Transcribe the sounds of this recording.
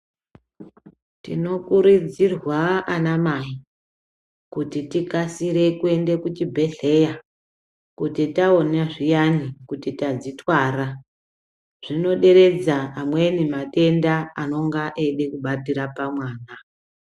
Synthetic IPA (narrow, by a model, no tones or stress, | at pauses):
tḭno̞kuɾid͡zirwaanamai | kutitikasiɾe̞kue̞nde̞kut͡ʃibʱe̞ɮe̞ja | kutitaonaʐijanikutitad͡zitwaːɾa | ʐ̥ino̞ɗe̞ɾe̞d͡zaːmwe̞nimate̞ndaano̞ŋɡaʔeɗe̞kuɓatiɾapamwaːna